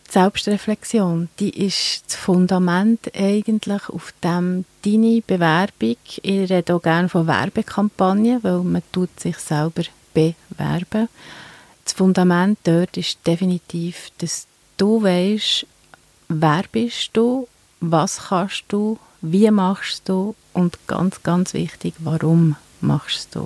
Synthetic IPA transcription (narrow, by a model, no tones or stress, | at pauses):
tsɛlpʃtrɛflɛksjoːnd̥iːʔɪʃt͡sfʊndɑmæntɛɪɡ̥əntləχṵfd̥æmd̥inib̥ɛvæɾb̥iɡɪrɛdəoɡ̥æːɾnfɔvæ̰ɾb̥ɛkʰɑmpɑnjəvɛlmətuətsɪχsælb̥əɾ | b̥ɛvæ̰ɾb̥ə | sfʊndɑmænt̚d̥œtɪʃd̥ɛfinitiːfd̥ɑs | d̥uvɛɪʃ | væːɾb̥ɪʃd̥u | vɑːsχɑʃd̥u | viəmɑχʃsd̥u | ʔʊntɡ̥ɑ̰nt͡sɡ̥ɑnt͡svɪ̰χtiɡ̥ʋɑɾʊm | mɑ̰χʃsd̥ṵ